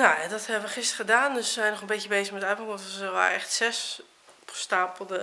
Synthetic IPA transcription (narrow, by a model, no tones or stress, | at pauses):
najadɔthɛbəʋəχɪstəədaːndøszɛjnɔχənbetəbejzəχmɛtabɔŋɔtsəʋa̰ːrɛχtsɛs | pstaːpəl̩ˠdə